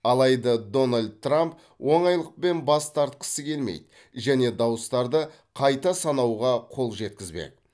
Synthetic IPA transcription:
ɑlˠɑjd̪əd̪o̞nalʲd̪̚t̪ːramp̚ | wʔo̞ɴɑjlˠəq̚pe̞nbɑst̪ɑɾt̪̚qə̥səkʲʰe̞lmḛjd̪ | ʒæne̞d̪ɑwəst̪ɑɾd̪ə | qʰɑjt̪ɑsɑnɑwʁɑqʰo̞lˠʒe̞t̪̚kʲɪzbḛk

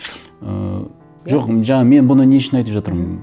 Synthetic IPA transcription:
ə̰ | ʒo̞qʒɑɴɑme̞nbʊnəneʃɪnɑjt̪əpʒɑt̪əɾmən

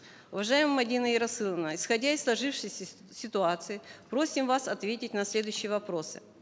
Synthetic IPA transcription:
ʊvɐʐajɪməmɐdʲinəɪɾɐsːɨlˠənəɪsxɐdʲaɪsːlˠɐʐɨfʂɨjsʲ | sʲɪt̪ʊat̪sɨɪpɾo̞sʲɪmvasɐt̪vʲetʲɪtʲnɐsʲlʲe̞d̪ʊjʏɕːɪjəvɐpɾo̞sɨ̰

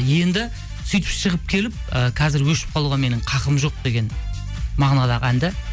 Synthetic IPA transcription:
je̞nd̪ɪ | sʊjt̪ə̥pʃəʁəp̚kʲʰe̞lɪp̚əqʰɑzɪɾwɵʃɪ̥p̚qʰɑlˠuʁɑme̞nɪɴqʰɑqəmʒo̞q̚d̪e̞ɡʲe̞n | mɑʁnɑlˠɑʁænd̪ɪ

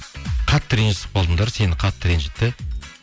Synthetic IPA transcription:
qʰɑt̪ːəɾenʒɪsə̥p̚qʰolˠd̪ənd̪ɑɾse̞nɪqʰɑt̪ːəɾenʒɪt̪ːɪ

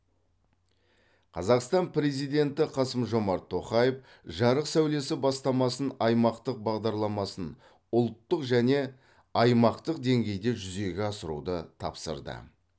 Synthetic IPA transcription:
qʰɑzɑqst̪ɑnpɾe̞zijd̪e̞nt̪ɪqʰɑsəmʒo̞mɑɾt̪ʰːo̞χɑjef | ʒɑɾəqsæwle̞sɪbɑst̪ɑmɑsənɑjmɑqt̪əq̚bɑʁd̪ɑɾlˠɑmɑsən | ʊlˠt̪ːəqʒæne̞ | ɑjmɑqt̪əq̚d̪e̞ŋɡʲe̞jd̪e̞ʒʏze̞ɡʲeɑsəɾṵd̪ət̪ʰɑ̰psə̰ɾd̪ə̰

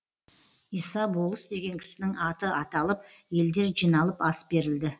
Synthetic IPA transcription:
ijsɑbolˠəsd̪e̞ɡʲe̞ŋkʲʰɪ̥sɪnɪŋɑt̪əɑt̪ɑlˠəp̚ | je̞ld̪e̞ɾʒijnɑlˠəpɑsbe̞ɾɪld̪ɪ

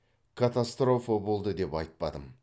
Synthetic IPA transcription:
kʰat̪ast̪ɾo̞fabo̞lˠd̪əd̪e̞pɑjt̪̚pɑd̪əm

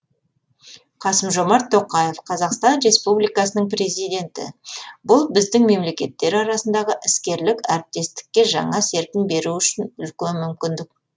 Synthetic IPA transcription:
qʰɑsəmʒo̞mɑɾt̪ʰːo̞qɑje̞fqʰɑzɑqst̪ɑnɾe̞spublijkɑsənəɴprʲe̞zijd̪ʲe̞nt̪ɪ̰bʊlˠbɪzd̪ɪŋme̞mle̞kʲe̞t̪ːe̞ɾɑɾɑsənd̪ɑʁəʔɪskʲe̞ɾlɪkæɾɪp̚t̪e̞st̪ɪ̥kʲːe̞ʒɑ̰ɴɑse̞ɾpʲɪnbe̞ɾuʏʃɪnʏlkʲenmʏmkʲɪnd̪ɪk̚

